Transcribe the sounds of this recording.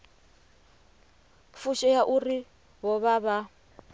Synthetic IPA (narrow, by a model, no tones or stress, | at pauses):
fuʃɔjaʔuri | βɔβaβa